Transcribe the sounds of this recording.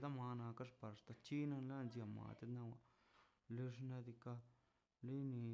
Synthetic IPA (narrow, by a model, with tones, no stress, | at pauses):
d̪a˦ma˧nã˧ka˦ʂpa˨ɾʂt̪a˧t͡ʃi˦na˦˧nla˦nzja˧˨ma̰˨t̪e˦t̪nã˧wa˧˨ | le˧ʐna˧d̪i˧ka˧ | li˦ni˧